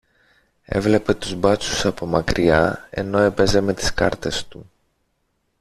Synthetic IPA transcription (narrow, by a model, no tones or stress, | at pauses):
e̞̰vle̞pe̞t̪uzbɐt͡susɐpo̞mɐkɾiɐe̞̰no̞e̞pe̞ze̞me̞t̪i̥skɐ̰ɾt̪e̞st̪u